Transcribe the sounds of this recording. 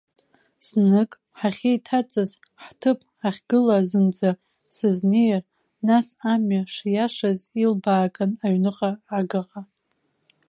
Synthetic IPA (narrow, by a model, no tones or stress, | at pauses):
snɨkʼ | ħaχʲejtʰat͡sʼaz | ħtʰɨpʰʼ | aχʲɡɨlazɨnd͡za | sɨznejr | nasamaʂjaʂazilbaːkʼanaɥnɨqʼaːɡɨqʼa